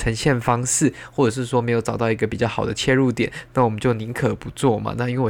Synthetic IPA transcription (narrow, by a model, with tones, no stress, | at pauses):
ə˧˥ŋɕjɛ˥˩nfɑ˥ŋʂɻ̩˥˩ | wɔ˥˩ʈ͡ʂɤ˨˩ʂ̬ɻ̩˥˩ʂ̬wɔ˥me˧˥ɪjʊʈ͡ʂɑ˨˩ʊt̪ɑ˥˩i˧˥ɡə˧pi˨˩t͡ɕjɑ˥˩xɑ˨˩ʊd̪ə˦t͡ɕʰjɛ˥˧ɻu˥˧t̪jɛ˨˩˦nna˥˩wɔ˨˩mə˦nt͡ɕjo˥˩ʊni˧˥ŋkʰɤ˨˩pu˧˦t͡swɔ˥˩mɐ̰˨˦na˥˧i˥nw